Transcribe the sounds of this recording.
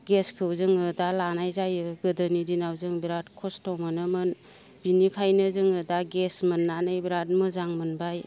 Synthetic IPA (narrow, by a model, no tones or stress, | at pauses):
ɡeskʰɯwzɯŋɯdalanajzajɯɡɯdɯnidinawzɯŋbiɾatkʰɔstɔwmɯnɯmɯn | binikʰajnɯzɯŋɯdaɡesmɯnːanɯjbiɾat̚mɯzaŋmɯnbaj